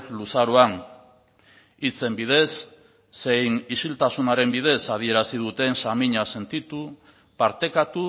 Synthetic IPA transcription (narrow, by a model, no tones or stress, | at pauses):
lusaɾoan | it͡se̞mbið̞e̞sː | e̞jnisilt̪asunaɾe̞mbið̞e̞saðie̞ɾasið̞ut̪e̞nsamiɲase̞nt̪it̪u | paɾt̪e̞kat̪u